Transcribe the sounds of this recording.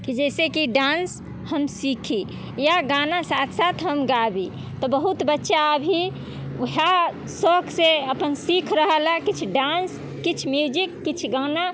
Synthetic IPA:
kid͡ʒɛːsekiɖãːns | həmsikʰi | jaɡaːnasaːt̪ʰsaːt̪ʰɦəmɡabi | t̪ɔbəɦut̪bətːʃaəbʱi | ɦa | sɔːkseəpənsikʰɾəɦəlakit͡ʃʰɖaːns | kit͡ʃʰmjud͡ʒikːit͡ʃʰɡaːna

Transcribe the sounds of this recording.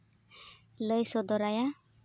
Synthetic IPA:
ləjsɔd̪ɔɾaja

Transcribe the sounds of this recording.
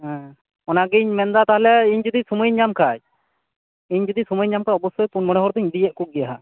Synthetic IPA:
ɦɛ̃ | ɔnaɡiɲmɛnd̪at̪aɦlɛiɲd͡ʒud̪isuməjɲamkʰaj | iɲd͡ʒɔd̪isuməjɲːamkʰaɔbɔsujpunmɔɽɛɦɔɾd̪iɲd̪ijɛʔ̚kuk̚ɡɛjaɦa

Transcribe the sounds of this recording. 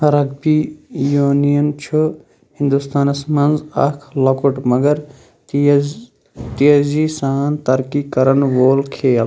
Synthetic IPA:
hɐɾɐɡbijoːnijɐnt͡ʃʰu | hĩnd̪ust̪aːnɐsmɐnzɐ̰kʰlɐkuʈmɐɡɐɾ | t̪iɐzisaːnt̪ɐɾkikɐɾɐnʋoːlkʰeːl

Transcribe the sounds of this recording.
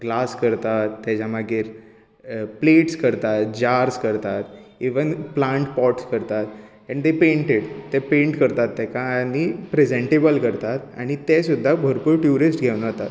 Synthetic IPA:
ɡlaskəɾt̪at̪ːad͡ʑamaɡʱeɾ | pleʈskəɾt̪at̪̚d͡ʑaɾskəɾt̪at̪iʋənplaɳʈpɔʈskəɾt̪at̪ | ɛ̃ɳd̪epẽɳʈeɽt̪ɛpẽɳʈkəɾt̪at̪ːɛkanipɾed͡zẽɳʈebəlkəɾt̪at̪a̰ɽ̃it̪esud̪ʱːabʱəɾpuɾʈjuɾisʈɡʱewnt̪at̪

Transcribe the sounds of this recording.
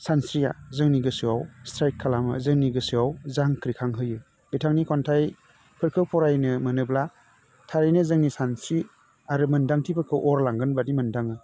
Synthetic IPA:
sansɾija̰zɯŋniɡɯsɯwawstɾaj̚kʰːalamɯ̰zɯŋniɡɯsɯawzaŋkɾikʰaŋɦɯjɯ | bitʰaŋnikʰɔntʰaj | pʰɯɾkʰɯpʰɔɾajnɯmɯnɯbla | tʰaɾijnɯzɯŋnisansɾi | aɾɯmɯndaŋtʰibakʰɯwʔɔɾlaŋɡɯnbadimɯndaŋɯ

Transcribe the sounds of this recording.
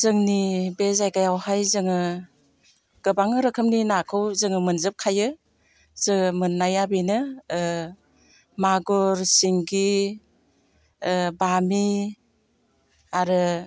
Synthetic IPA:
zɯŋnibezajɡajawhajzɯŋɯ | ɡ̥ɯbaŋɯɾɯkʰɯmninakʰɯwzɯŋɯmɯnzɯp̚kʰajɯ | zɯmɯnːajabenɯ | maɡoɾsiŋɡi | bami | aɾɯ

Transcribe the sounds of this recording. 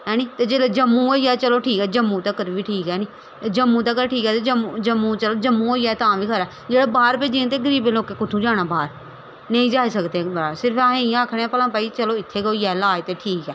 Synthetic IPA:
ɦɛːniːt̪eːd͡ʒeːled͡ʒəmːũːoːiɛːt͡ʃəloːʈʰiːkɛːd͡ʒəmːũt̪aːkəɾʋiːʈʰiːkɦɛːniː | d͡ʒəmːũːt̪̬aːk̬əɾʈʰiːkɛːt̪ed͡ʒəmd͡ʒəmːũːt͡ʃəloːd͡ʒəmːũːoːiːɛːt̪ãːʋiːkʰəɾɛː | d͡ʒeːɽaːbaːɾpeːd͡ʒiẽt̪̬eːɡəɾiːbẽloːkeːkʊt̪ʰːũːd͡ʒaːɽ̃aːbaːɾ | nə̃ĩːd͡ʒaːisəkd̪eːbaːsɪɾpʰãːẽɪjãːəkʰɽ̃ãːpəlãːpaːit͡ʃəloːɪt̪ʰːeːɡoɛːlaːet̪eːʈʰiːkɛː

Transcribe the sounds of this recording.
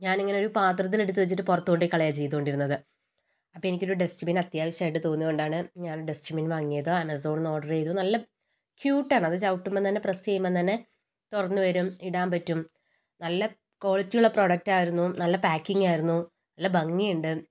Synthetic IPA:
ɲaːneŋːɐneo̞ɾupaːt̪rɐt̪̬ːileɽut̪̬ːɨʋɐt͡ɕːiʈːɨporɐt̪ːuɣoɳɖikːɐɭɐjat͡ɕe̞jt̪uko̞ɳɖiɾunːɐðɨ | ɐpːenikʲːo̞ɾuɖesʈimiːnɐt̪jaːʋɐɕɐmaːjiʈːɨt̪o̞ːnːiɣo̞ɳɖaːɳɨɲaːnoɖesʈiminʋaːŋːijɐðoːɐmɐso̞ːɳno̞ːɖɐrejðunɐlːɐ | kjuːʈːaːɳɨɐðɨt͡ɕɐwʈːument̪ɐnːeprɐsejumːent̪ɐnːe | t̪urɐnːɨʋɐɾumiɽaːmpɐtːum | nɐlːɐ | ko̞ːɭɐt͡ɕːijuɭːɐpro̞ːɽɐk̚tːaːjiɾunːunɐlːɐpaːkːiŋɡaːjiɾunːu | nɐlːɐbɐŋːijuɳɖɨ

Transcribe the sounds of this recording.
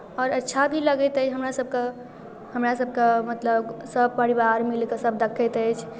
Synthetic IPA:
ɔːɾətːʃʰabʱiləɡɛt̪ɛjt͡ʃʰɦəmɾasəb̚ʱke | həmɾasəb̚kemət̪ləbsəb̚pəɾibaɾmilkesəb̚d̪ekʰɛt̪ɛjt͡ʃʰ

